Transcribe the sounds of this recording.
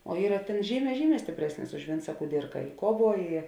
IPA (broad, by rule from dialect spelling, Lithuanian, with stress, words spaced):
oː ˈiːrɐ ˈtʲeːn ˈʒʲiːˌmʲɛː ˈʒʲiːˌmʲɛː sʲtʲɪpʲˈrʲæːsʲnʲɪs ʊʃ ˈʋʲɪnt͡sɐ kʊˈdʲɪrkɐ ɪ ˈkuɔˌʋuɔ ɪ